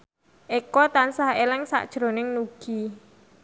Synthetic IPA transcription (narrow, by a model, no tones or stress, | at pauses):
ʔekɔt̪ansahelɪŋsa̰ʔd̥ʒ̥ɾo̤nɪŋnuɡ̥i